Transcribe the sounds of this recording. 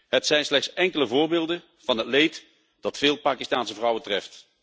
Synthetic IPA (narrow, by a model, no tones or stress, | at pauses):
ɦətsɛjnslɛχtsɛŋkələvʊːɹbɪːlˠdə | v̥ɑnɦətlejt | d̥ɑtfɪːlˠpaːkistaːnsəvrʌwətrɛft